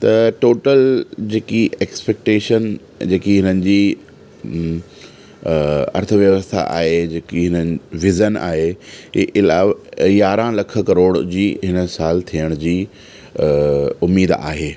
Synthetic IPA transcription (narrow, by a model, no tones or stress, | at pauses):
t̪ɐʈoːʈəld͡ʑeːkiʔeːkspek̚ʈeːʃən | d͡ʑeːkiɦɪnənɪ̆d͡ʑiː | ɐ̰ɾt̪ʰəʋjəʋəst̪ʰa̰ʔa̰ːɦed͡ʑeːkiɦɪnənɪʋɪzənʔa̰ːɦeʔɪlaːʋjaːɾãlɐkʰə̆kɐɾoːɽd͡ʑiːɦɪnəsaːlt̪ʰijəɽ̃d͡ʑiː | ʊmiːd̪a̰ːɦeː